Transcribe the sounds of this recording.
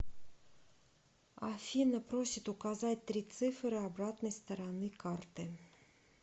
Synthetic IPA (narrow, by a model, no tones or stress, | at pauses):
afʲinɐpɾosʲɪt̪ʊkazatʲt̪ɾʲit̪sɨfɾɨabɾat̪nəjst̪əɾanɨkart̪ɨ